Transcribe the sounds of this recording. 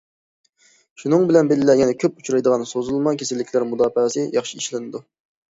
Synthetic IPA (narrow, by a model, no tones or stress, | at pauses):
ʃunɨŋbɪlɛnbelɪlːɛjɛnɛkʲʰøp̚ut͡ʃʰuɾɑjd̪əʁɑnsozulˠmɑkʲʰesɪlːɪkʲʰlæɾmud̪ɑːfsɨjɑχʃiiʃlɪnɨd̪u